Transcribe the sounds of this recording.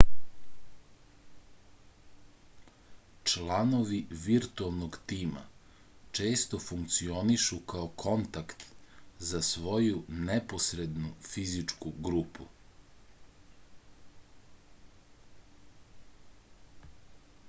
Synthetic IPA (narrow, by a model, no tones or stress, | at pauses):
t͡ʃlˠano̞ʋiʋiɾt̪uelˠnoɡt̪iːma̰ | t͡ʃe̞ːst̪o̞fuŋkt̪sio̞niʃukaokʰo̞nt̪akt̪zasʋo̞junɛposɾed̪nufizit͡ʂkuɡɾupu